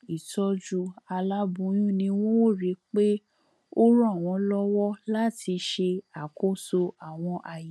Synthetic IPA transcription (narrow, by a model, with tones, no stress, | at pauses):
i˨tɔ˦d͡ʒu˧a˧la˦bũ˧˦j̃ũ˦nĩ˧w̃ɔ̃˦˨ɾi˨˦k͡pe˦ | o˦ɾũ˦a˦˨w̃ɔ̃˧lɔ˦wɔ˦la˦tʰi˧ʃe˧a˨ko˦so˧a˨w̃ɔ̃˧ʔa˧ji˨